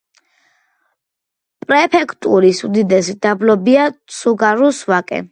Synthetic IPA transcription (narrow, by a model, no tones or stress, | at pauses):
pʼɾɛpʰɛkʰt̪ʼuɾisud̪id̪ɛsid̪ablɔbiasuɡaɾusvakʼɛ̰